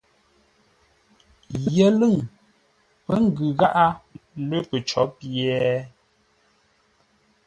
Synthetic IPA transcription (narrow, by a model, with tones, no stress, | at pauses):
jɛ˨lɨ˦˨ŋ | pə˦ŋ̩˦ɡʉ˨ɣa˦ʔa˦lə˦pə˨t͡ʃɔ̰˨˦pjɛ˦